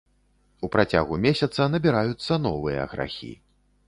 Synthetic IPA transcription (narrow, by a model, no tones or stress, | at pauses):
upɾat͡sʲa̰ɣumʲesʲɐt̪sɐnɐbʲiɾajut̪sːɐn̪ɔvɨjɐ̰ɐɣɾa̰xʲḭ